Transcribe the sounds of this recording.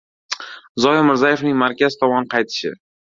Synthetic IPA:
zɒjɪmɪɾzaje̞fnɪŋmaɾkʲazɪt̪ʰɒmɒnqʰɑjt̪ʰɪ̥ʃɪ̰

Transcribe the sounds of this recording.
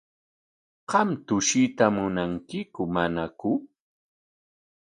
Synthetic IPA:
qɑmt̪ʊʃɪt̪amʊnaŋkɪkʊmanakʊ

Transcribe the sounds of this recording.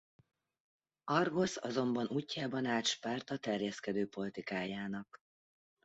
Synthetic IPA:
ɒrɡo̞sɒ̰zo̞mbɒnuːcːaːbɒnaːt̪ʃpaːrt̪ɒt̪ɛrjɛskɛd̪øːpo̞lit̪ikaːjaːnɒk

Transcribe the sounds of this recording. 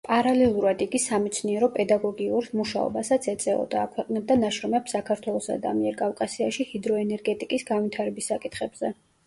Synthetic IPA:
pʼaɾalɛlˠuɾad̪iɡisamɛt̪sʰniɛɾɔpʼɛd̪aɡɔɡiuɾmuʃa̰ɔ̰basat̪sʰɛt̪sʼɛɔ̰d̪aːkʰwɛqʼnɛb̚d̪anaʃɾɔmɛpsakʰaɾt̪ʰwɛlˠɔsa̰d̪a̰miɛɾkʼafkʼasiaʃihid̪ɾɔɛnɛɾɡɛt̪ʼikʼisɡanvit̪ʰaɾɛbisːakʼit̪ʰχɛbz̥ɛ

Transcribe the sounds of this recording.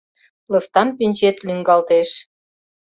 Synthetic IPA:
lɤ̆st̪ɑnpinʲt͡ɕet̪lyŋɡɑlt̪eʃ

